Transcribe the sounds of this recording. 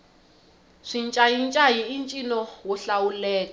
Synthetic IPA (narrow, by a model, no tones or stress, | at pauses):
ʂint͡ʃʼajint͡ʃʼajiint͡ʃʼinɔwuɬawulɛːkɔ